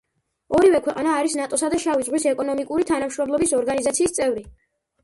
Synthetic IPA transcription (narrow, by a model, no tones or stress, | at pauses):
ɔɾivɛkʰwɛqʼanaːɾisnat̪ʼɔsad̪aʃavid̪zʁwisɛkʼɔnɔmikʼuɾit̪ʰanamʃɾɔmlˠɔbisɔɾɡanizat̪sʰiːst̪sʼɛvɾi